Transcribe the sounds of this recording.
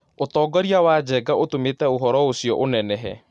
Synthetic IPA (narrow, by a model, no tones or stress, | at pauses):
ot̪ɔːɡɔɾiawaːd͡ʒɛɡaʔotometɛoɦɔɾɔosiɔ̰ʔonɛnɛɦɛ̰